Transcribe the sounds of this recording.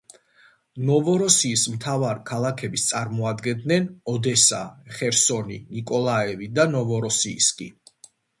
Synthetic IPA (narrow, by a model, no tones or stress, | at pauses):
nɔvɔɾɔsiːsmt̪ʰavaɾikʰalˠakʰɛbist̪sʼaɾmɔad̪ɡɛnd̪nɛnɔd̪ɛsa̰χɛɾsɔnḭnikʼɔlˠaɛvid̪anɔvɔɾɔsiːskʼḭ